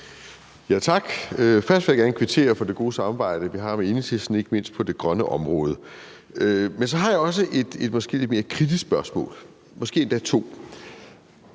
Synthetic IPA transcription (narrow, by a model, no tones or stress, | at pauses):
jæt͡sʰɑ̈ɡ̥øfɶɐsd̥ʋe̝jɑ̈ɡ̥æɐnəkʰʋi̝t͡sʰe̝̰ːɐfɒ̽d̥e̝ɡ̥o̝ːsɑ̈mɑ̈b̥ɑ̈ɪ̰ɾ̥əʋiɦɑ̈mee̝nət͡sʰe̝sn̩e̝ɡ̥əme̝n̰sd̥̚pʰɒ̽de̝ɡ̥ʁɶnəʔɒ̽mʁɔ̽ːð̞ˠə | mensɒ̽ɦɑ̈jɑɒ̽s̬əʔe̝d̥e̝d̥mɒsɡ̥e̝̰le̝d̥me̝ːɐkʰʁid̥isb̥ɶɐsmɔ̰̽ːl | mɒ̽sɡ̥e̝̰ːend̥æt͡sʰo̝̰ː